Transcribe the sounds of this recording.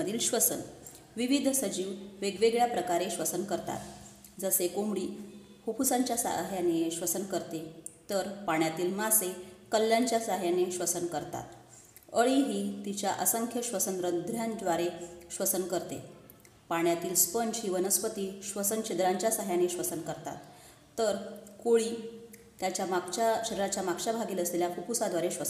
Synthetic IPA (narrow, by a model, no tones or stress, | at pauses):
əd̪ʱiːlɕʋəsən | ʋiʋid̪ʱsəd͡ʑiːʋʋeɡʋeɡɭjapɾəkaɾeɕʋəsənkəɾt̪a̰t̪ | d͡zəsekomɽiː | hokusãɲt͡ɕjasa̰ɦjaneɕʋəsənkəɾt̪et̪əɾpaɳjat̪iːlmasekəlːjaɲt͡ɕjasaɦjaneɕʋəsənkəɾt̪a̰t̪ | əɭiɦiːt̪it͡ɕjaʔəsəŋkʰjəɕʋəsənɾəd̪ʱɾjãnd̪ʋaɾeɕʋəsənkəɾt̪ḛ | paɳ̃jat̪iːlspənt͡ɕɦiːʋənəspət̪iːɕʋəsənɕed̪ɾaɲt͡ɕjasaɦjaneɕʋəsənkəɾt̪a̰t̪ː | əɾkoɭiː | t̪jat͡ɕjamaɡt͡ɕaɕəɾɾat͡ɕjamaɡɕabʱaɡiːləsleljafukusad̪ʋaɾeɕʋəsən